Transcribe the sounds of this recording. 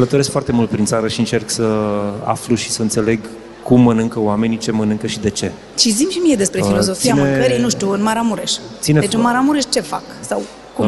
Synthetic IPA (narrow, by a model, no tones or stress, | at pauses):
lət̪oɾe̞skfoart̪e̞mult̪̚pɾintsaɾəʃiɨnt͡ʃerksəa̰fluʃi̥səɨnse̞le̞ɡ | kumːənɨŋkəoame̞nit͡ʃe̞mənɨŋkəʃid̪e̞t͡ʃe̞ | t͡ʃizimʃimije̞d̪e̞spɾefilo̞zo̞fiainɨeŋkəɾijnuʃt̪ʲuɨnmaɾamuɾeʃt̪sineet͡ʃɨnmaɾamuɾeʃt͡ʃe̞fa̰ksaw | ku